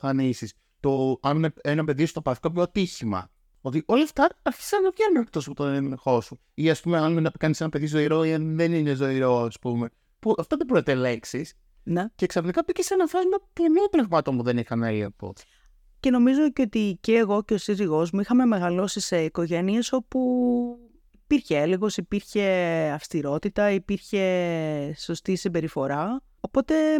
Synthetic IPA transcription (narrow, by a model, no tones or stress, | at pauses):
fɐnisis | t̪o̞ɐnuneenɐpe̞ðisu̥t̪opɐfi̥kopçoɐt̪içimɐ̰ | o̞t̪iʔo̞lɐft̪ɐːɾçi̥sɐnːɐvʝenunekt̪o̞sput̪onennexo̞su | iɐspume̞ɐnnɐpikɐnisenɐpe̞ðizo̞iɾo̞iɐnðe̞nine̞zo̞iɾo̞ɐspume̞ | puʔɐft̪oðebɾet̪ele̞ksis | nece̞ksɐfnikɐpicesenɐfɐznɐpɾemot̪ɾeɣmɐt̪ommuðe̞nixɐnɐiɐ̰po̰ | ce̞no̞mizoceot̪iceːɣo̞ce̞osiziɣo̞zmuixɐme̞me̞ɣɐlo̞sise̞iko̞ʝe̞nie̞so̞pu | ipiɾçeeleɣo̞sipiɾçe̞ɐfst̪iɾo̞t̪it̪ɐipiɾçe̞ | so̞st̪isimbe̞ɾifo̞ɾɐ | o̞po̞t̪e̞